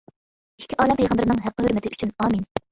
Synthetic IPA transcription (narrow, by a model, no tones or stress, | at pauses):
ikʲːiʔɑːlɛmpʰɛjʁɑmbɪɾɪnɨŋɦæqːəɦøɾmɪt̪ʰɪʔyt͡ʃʰynɑːmin